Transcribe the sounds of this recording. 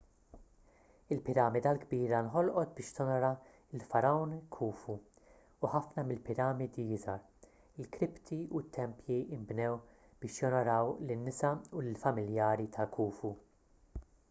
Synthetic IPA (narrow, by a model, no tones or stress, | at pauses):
ɪlpɪɾɐːmɪd̪ɐlɡbiːɾɐnħɔlʔɔt̪̚bɪːʃt̪ɔnɔɾɐ | ɪlfɐɾɐwnkʰuːfu | uħɐfnɐmɪlpɪɾɐːmɪd̪ijɪzɐɾ | ɪlkɾɪpt̪iut̪ʰːɛmpjiɪmbnɛw | b̥ɪːʃjɔnɔɾɐwlɪnːɪsɐʊlɪlfɐmɪljɐːɾit̪ʰɐkʰuːfu